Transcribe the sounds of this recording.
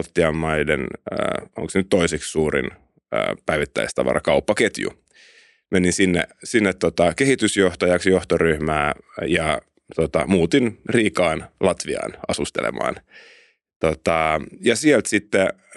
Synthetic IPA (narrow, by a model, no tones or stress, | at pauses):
lt̪ːiɑmːɑidḛn̰ː | o̰ŋksenyt̪t̪oisekssuːɾḭn | ə̰ːpæiʋit̪ːæ̰ist̪ɑ̰ʋɑ̰rɑ̰kɑupːɑket̪jṵ | meninsinːḛsinːet̪tːot̪ɑkehit̪ysjoht̪ɑjɑksjoht̪oryhmæːjɑ | t̪ot̪ɑmuːt̪inriːkɑːnlɑt̪ʋiɑ̰ːnɑsust̪ḛlḛmɑ̰ːn | t̪ot̪ɑjɑsielt̪sit̪ːe